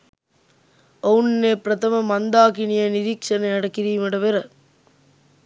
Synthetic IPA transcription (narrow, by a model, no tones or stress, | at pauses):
ɐnːeːpɾɐt̪ɐmɐmɐnd̪aːkɪnɪjɐnɪɾiːkʂɐnɐɐɽɐkːɪɾiːmɐɽɐʋeɾɐ